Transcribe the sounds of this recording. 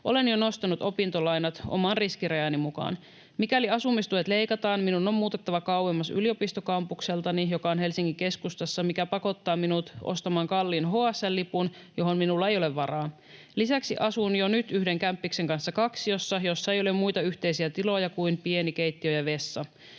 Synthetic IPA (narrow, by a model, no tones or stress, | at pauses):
ʔo̞̰le̞njono̞st̪ɑnut̪o̞pint̪olɑjnɑt̪ʔo̰mɑnriskiɾejɑnimukɑ̰ːn | mikæliɑsumist̪uʋet̪le̞jkɑt̪ɑːnminunːo̞mmuːt̪et̪ːɑʋɑkɑwwe̞mːɑsy̰lio̞pist̪okɑmpukse̞lt̪ɑnijo̞kɑonɦe̞lsiŋkike̞skust̪ɑsːɑmikæpɑko̞t̪ːɑːminut̪ʔo̰st̪ɑmɑːŋkɑlːiːnɦoɑsːɑlːipun | jo̞ɦo̞nminulːɑe̞jo̞leʋːɑɾɑː | lisæksiʔɑsunjonyt̪yhde̞ŋkæmpːikse̞ŋkɑnsːɑkɑksio̞sːɑjo̞sːɑejo̞le̞mmujt̪ɑyçt̪e̞jsiæt̪ilo̞jɑkuimpie̞nikejt̪ːiøjɑʋe̞sːɑ